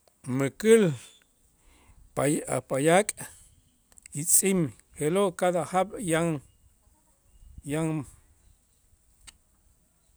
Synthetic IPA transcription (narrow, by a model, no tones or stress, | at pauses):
mɨkɨl | a̰pajakʼ | it͡sʼim | helokad̪ahabjaŋ | jaŋ